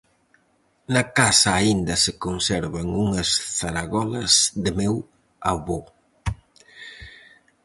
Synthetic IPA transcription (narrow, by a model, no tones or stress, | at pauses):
nɐkasɐːind̪ɐsɪkonsɛɾβɐŋuŋɐsθaɾaɣɔlɐzðɪmɛw | aβo